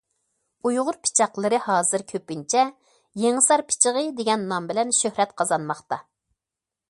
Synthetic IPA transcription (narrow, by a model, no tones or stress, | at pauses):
ujʁʊɾpʰɪ̥t͡ʃʰɑqlˠɨɾɨhɑːzɨɾkʲʰøpːɪnt͡ʃʰɛ | jeŋɨsɑɾpʰɪ̥t͡ʃʰəʁəd̪eɡʲɛnːɑmbɪlɛnʃøhɾɛt̪qʰɑzɑnmɑχt̪ɑ